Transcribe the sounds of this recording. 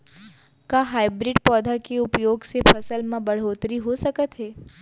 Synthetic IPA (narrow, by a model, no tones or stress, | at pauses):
kaːɦaːɪbɾɪɖpɔːd̪ʱakeʊpjoːɡsepʰɐsəlmãbɐɽ̤oːt̪ɾiɦosɐkət̪ɦɛː